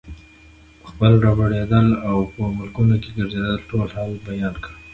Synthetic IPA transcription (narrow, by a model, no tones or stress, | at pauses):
pə̥xpəlɾɑbaɽed̪əlawpəmʊlkunokeɡəɾzed̪əlʈolhɑlbajɑnkə